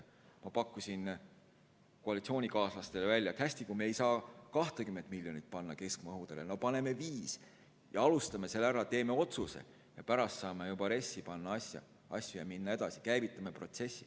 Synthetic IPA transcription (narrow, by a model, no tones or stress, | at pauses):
mɑpɑkːusʲin | koɑlit̪sioːnʲikɑːslɑst̪e̞levælʲːjɑt̪hæsʲt̪ikumeejsɑːkɑht̪ekymːe̞nd̪̥milʲjo̞nit̪̚pɑnːɑke̞sk̚mɤɦud̪̥e̞leno̞pɑne̞me̞viːs | jɑɑlust̪ɑme̞se̞lːæɾɑt̪e̞ːme̞o̞t̪suse̞̰ | jɑpæɾɑst̪sɑːmejubɑɾe̞sːipɑnːɑɑsjɑ̰ | ʔɑ̰sʲjujɑminːɑe̞d̪̥ɑsi̥kæjvit̪ːˑɑme̞pro̞t̪se̞sʲːi